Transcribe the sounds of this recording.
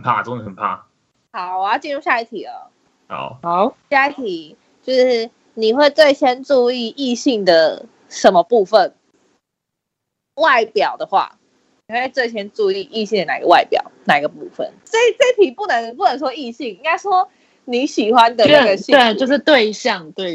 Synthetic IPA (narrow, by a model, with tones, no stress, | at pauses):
ə˩npʰa̰˥˩t͡so˥˧ŋə˥˩ə˨˩npʰa̰˥˩ | hɑ˨˦ʊwɔ˨˩jɑ˥˩ʊt͡ɕi˥˧nɻu˥˧ɕja˥˧i˥˩t̪ʰi˨˩lə̰˨˦ | hɑ̰˨˩˦ʊ˨˩˦ʊɕja˥˧i˥˩t̪ʰi˨˩˦ | t͡ɕjo˥˧ʊʂɻ̩˥˩ | ni˨˩xwe˥˧ɪt͡swe˥˩ɪt͡ɕʰjɛ˥nʈ͡ʂu˥˧i˥˧i˥˧ɕi˥˩ŋd̪ə˩ | ʂə˨˥nmə˧pu˥˧fə˨n | wa˥˩ɪpjɑ˨˩ʊd̪ə˩xwa̰˥˩ | ni˨we˥˧e˧t͡swe˥˩ɪt͡ɕʰjɛ˥nʈ͡ʂu˥˧i˥˧ʔi˥˧ɕi˥˩ŋd̪ə˩na˨˩ḭ˧˦ɡə˦wa˥˩ɪpjɑ̰˨˩ʊna˨˩i˨˥ɡə˨˧pu˥˧fə̰˨˩nse˥˩ɪt͡se˥˩˥t̪ʰi˨˩pu˥˩nə˧˦np̬u˥˩nə˨˧˦nʂwɔ˥i˥˧ɕi˥˩ŋi˥ŋka˥ɪʂwɔ˦ | ni˨˦ɕi˨˩xwa˦nd̪ə˨˦˥ɡə˨˩i˥we˥˩t͡ɕjo˥˧ʊʂɻ̩˥˧t̪we˥˧ɪɕjɑ˥˨ŋt̪we˥˩ɪ